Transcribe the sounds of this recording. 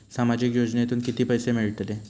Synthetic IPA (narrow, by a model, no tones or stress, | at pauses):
samad͡ʑikjod͡ʑnet̪uːnkit̪iːpəjsemiɭt̪le